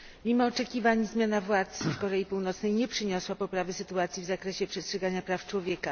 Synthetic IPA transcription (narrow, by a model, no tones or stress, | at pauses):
mʲimɔːt͡ʂɛkʲivaɲzmʲjanavwat̪sfkɔɾɛjipuwnɔt̪snɛjɲɛpʂɘɲɔswapɔpɾavɘsɘt̪uat̪sʲjivzakɾɛɕɛpʂɛstʂɛɡaɲapɾaft͡ʂwɔvʲjɛka